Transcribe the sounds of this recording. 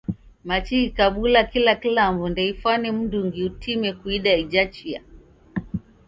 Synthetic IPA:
mat͡ʃiikaɓulakilakilamvundɛifwanɛm̩nduŋɡiutimɛkuiɗaid͡ʒat͡ʃia̰

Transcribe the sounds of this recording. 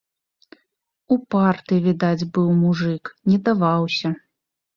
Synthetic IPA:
upart̪ɨvʲid̪ad͡zʲbɨwmuʐɨknʲɛd̪avawsʲɐ

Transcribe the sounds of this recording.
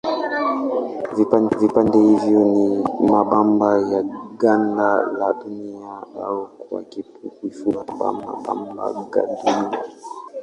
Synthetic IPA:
vipandɛhivjɔnimaɓambajaɡandalaɗuniaaɔkwa̰kipukwifunaɓa̰ma̰ɓa̰mba̰ɡa̰dunia

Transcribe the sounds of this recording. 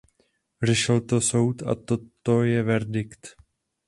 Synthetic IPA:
rɛʃɪlt̪o̞so̞wt̪a̰t̪o̞t̪o̞jɛvɛɾdɪkt̪

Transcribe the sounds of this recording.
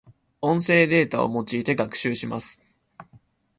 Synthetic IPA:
õ̞ɰ̃se̞ːd̪e̞ːt̪ao̰mo̞t͡ɕiːt̪e̞ɡakɯ̟̥ɕɨːɕima̰sɨ̥

